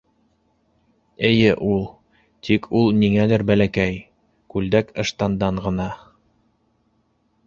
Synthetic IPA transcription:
ɘ̆jɘʔulˠ | t̪ʰikʰulˠniŋælɘɾbælækæj | kʉld̪ækɤ̆ʃt̪ɑnd̪ɑɴʁɤ̆nɑ

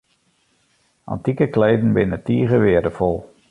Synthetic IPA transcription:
ɑ̰ntikəkleːdn̩bɪnətiːəɣəʋɪədəfɔlˠ

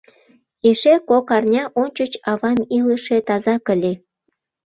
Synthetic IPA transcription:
eʃekokɑrnʲɑʔonʲt͡ɕət͡ɕɑβɑmiləʃet̪ɑzɑkə̆lʲe

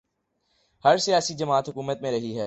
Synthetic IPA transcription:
hɐɾsijaːsid͡ʒɐmaːt̪ɦʊkuːmət̪mẽɾɐɦiɦɛː

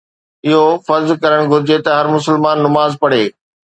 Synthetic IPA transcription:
ɪɦofɐɾzkɐɾəɽ̃ɡʱʊɾɪd͡ʑet̪ɐɦɐɾmʊsəlmaːnːʊmaːzpɐɽ̤eː

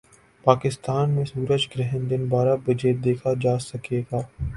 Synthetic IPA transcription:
paːkɪst̪aːnmẽsuːɾəd͡ʒɡɾɛɦə̃nd̪ɪnbaːɾabɐd͡ʒeːd̪eːkʰad͡ʒaːsɐkeːɡaː

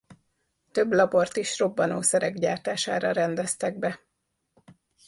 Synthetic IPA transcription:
t̪ø̞blɒbo̞rt̪iʃro̞bːɒnoːsɛɾɛɡɟaːrt̪aːʃa̰ːɾɒɾɛnd̪ɛst̪ɛɡ̚bɛ

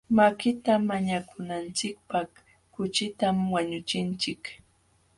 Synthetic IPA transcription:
makɪt̪amaɲakʊnant͡ʃɪk̚paχ | kʊt͡ʃɪt̪amwaɲʊt͡ʃɪnt͡ʃɪk

